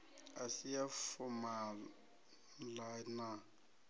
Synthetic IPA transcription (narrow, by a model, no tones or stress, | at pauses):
asijafʊma | lana